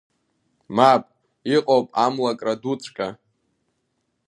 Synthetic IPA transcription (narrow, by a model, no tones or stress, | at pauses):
mapʼ | iqʼowpʼamlakʼradut͡sʷʼkʲʼa